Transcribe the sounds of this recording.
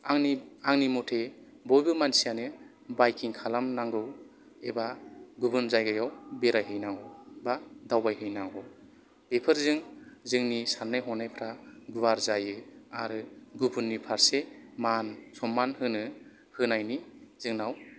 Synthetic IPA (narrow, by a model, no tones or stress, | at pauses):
aŋniaŋnimɔtʰe | bɔjbɯmansijanɯ | bajkʰiŋkʰalamnaŋɡɯw | ebaɡubɯnzajɡajawbeɾajɦɯjnaŋɡɔbadawbajɦɯjnaŋɡɔ | b̥epʰɯɾzɯŋzɯŋnisanːɯjɦɔnajpʰɾaɡuwaɾzajɯa̰ɾɯɡubɯnːipʰaɾsemansɔmːanhɯnɯ | hɯnajniz̥ɯŋnaw